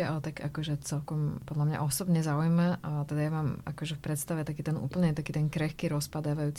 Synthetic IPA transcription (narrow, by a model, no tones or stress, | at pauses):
ɛalɛt̪akakɔʒɛt͡sɛlkɔmpɔd̪lamɲa̰ʔɔsɔbɲɛzaujmat̪ɛd̪ajamaːmʔa̰kɔʒɛfpɾɛt̪st̪aʋɛt̪akiːt̪ɛnʔṵːpl̩ɲɛt̪akiːt̪ɛnkɾɛxkiɾɔspad̪aːʋajuːt͡s